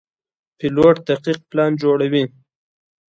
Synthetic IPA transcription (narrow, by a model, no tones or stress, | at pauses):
pɪloʈ̚d̪aqiq̚plɑnd͡ʒoɽawi